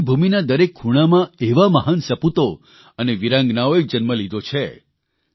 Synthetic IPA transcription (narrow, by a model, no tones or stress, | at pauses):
bʱuminad̪əɾekʰːuɽ̃amãeʋaməɦənsəput̪o | əneʋiɾãŋɡnaoek̚d͡ʒənməlid̪ʱot͡ʃʰe